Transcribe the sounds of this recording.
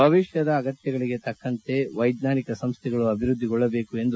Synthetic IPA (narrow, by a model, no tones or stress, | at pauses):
bʱɐʋiʃjɐd̪ɐːɡɐt̪jɐɡɐɭiɡe̞t̪ɐkːɐnt̪e̞ʋɐjd̪naːnikɐsɐmst̪ʰɛɡɐɭuɐbʱiɾud̪ːiɡɔɭːɐbe̞ːkue̞nd̪u